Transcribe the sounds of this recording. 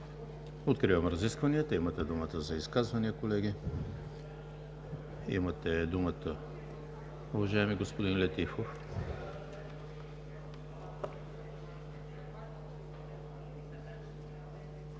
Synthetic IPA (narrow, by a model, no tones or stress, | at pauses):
ot̪kɾivəmɾɐziskvɐniət̪əimɐt̪ɛd̪umət̪əzɐiskazvɐniəkolɛɡʲi | ḭmɐt̪ɛd̪umət̪ə | uvɐʒaɛmiɡospod̪inlɛt̪ifof